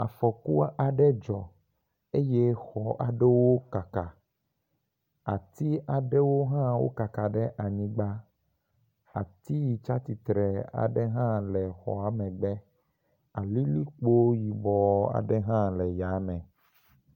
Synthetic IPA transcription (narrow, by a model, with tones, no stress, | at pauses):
a̰˨fɔ˨ku˦a˦a˨ɖɛ˦d͡ʒɔ˨ | e˦jɛ˦xɔ˦ʔa˨ɖɛ˦wo˦ka˨ka˨ | a˨t̪i˦a˨ɖɛ˦wo˦ɦã˦wo̰˦ka˨ka˨ɖɛ˦ʔa˨ɲĩ˦ɡ͡ba˦ | a˨t̪i˦ji˨t͡ʃa˦t̪i˨t̪ɾɛ˨a̰˨ɖɛ˦ɦã˦lɛ˨xɔ̰˨a˨mɛ̃˨ɡ͡bɛ˦ | a˨li˦li˦k͡po˦ji˨bɔ˨a̰˨ɖɛ˦ɦã˦lɛ˨ja˨˦mɛ̃˨